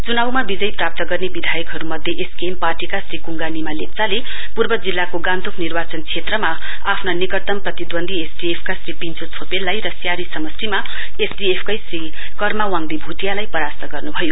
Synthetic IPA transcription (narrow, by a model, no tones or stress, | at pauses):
t͡sunawmabid͡zʌjprap̚t̪ʌɡʌrnebid̪ʱajʌkɦʌɾumʌd̪ʱjeʔeskemparʈikasrikuŋɡanimalep̚t͡sale | purbʌd͡zilːakoɡãnt̪uknirbat͡sʌnt͡sʰet̪rʌma | apʰnanikʌt̪ʌmprʌt̪id̪wʌnd̪ʱiesɖiepʰkasripint͡sʰot͡sʰopelːajrʌsjaɾisʌmʌsrima | esɖiepʰkʌjsri | kʌrmawaŋd̪ibʱuʈijalajpʌɾast̪ʌɡʌrnubʱʌjo